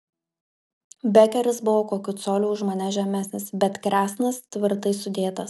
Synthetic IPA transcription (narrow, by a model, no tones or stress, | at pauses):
bʲɛkʲɛɾʲɪsbʊʋoːkoːkʲʊt̪soːlʲuʊʒmɐnʲɛʒʲɛmʲæsʲnʲɪsbʲɛt̪kɾʲæːsnɐst̪ʲʋʲɪɾt̪ɐɪsʊd̪ʲeːt̪ɐs